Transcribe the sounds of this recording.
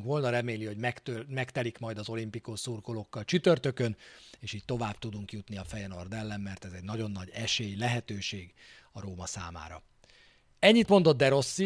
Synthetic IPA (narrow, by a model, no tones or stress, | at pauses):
ŋkʋo̞lnɒɾɛmeːliho̞ɟmɛkt̪ømɛkt̪ɛlikmɒjd̪ɒzo̞limpikosurko̞lo̞kːɒlt͡ʃyt̪ørt̪økøneːʃiːc̚ʲt̪o̞vaːbt̪ud̪uŋkjut̪niɒfɛjɛno̞rd̪ɛlːɛmːɛrt̪ɛzɛɟnɒɟo̞nːɒɟɛʃeːjlɛɦɛt̪øːʃeːɡ | ɒɾoːmɒsa̰ːma̰ːɾɒ̰ | ɛɲːit̪mo̞nd̪o̞d̪d̪ɛɾo̞sːi